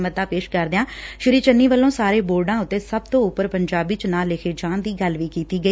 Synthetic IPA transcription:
mət̪ːãːpeːʃkəɾd̪eãːʃɪɾiːt͡ʃənːiːʋəlːõːsaːɾeːboːɾɖãːʊt̪ːeːsəbt̪õːʊpːəɾpəɲd͡ʒaːbiːt͡ʃnãːlːɪkʰeːd͡ʒãːnd̪iːɡəlʋiːkiːt̪iːɡəiː

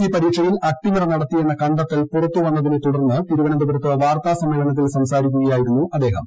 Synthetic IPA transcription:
iːpɐɾiːʈʂɐjilɐk̚ʈːimɐrɐnɐɽɐt̪ːienːɐkɐɳɖɐt̪ːɐlpurɐt̪ːuʋɐnːɐðinet̪uɽɐrnːɨp̪iɾuʋɐnɐnd̪ubɐɾɐt̪ːɨʋaːrt̪aːsɐmːeːɭɐnɐt̪̬ːilsɐmsaːɾikʲːuɣɐjaːjiɾunːuʔɐd̪ːe̞ːɦɐm

